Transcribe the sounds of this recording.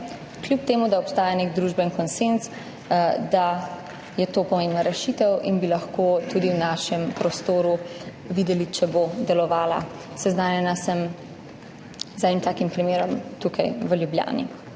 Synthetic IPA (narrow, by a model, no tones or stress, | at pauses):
klʲjup̚t̪eːmud̪aɔpst̪aːjaneɡd̪ɾuʒbɛnkɔnsens | d̪a | jɛt̪oːpɔmembnaɾɛʃit̪ɛwinbilɐxkot̪ud̪iwnaʃɛmpɾɔst̪oːɾu | ʋiːd̪ɛlit͡ʃɛbod̪ɛlɔʋaːla̰ | sɛznaːnjɛnasəm | zɛdnimt̪aːkimpɾimeːɾɔmt̪ukʰajʋəljubja̰ːnḭ